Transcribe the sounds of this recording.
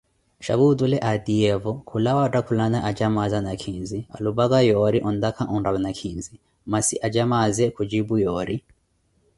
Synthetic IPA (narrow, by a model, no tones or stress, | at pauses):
ʃa̰βud̪ulɛʔad̪iɛvɔkʰulawatakʰulanaʔad͡ʒamazanakʰinzia̰lubaɡajɔɾiʔɔnd̪akʰaʔɔnɾaβanakʰinzi | masiʔad͡ʒamazɛkʰud͡ʒibujɔːɾi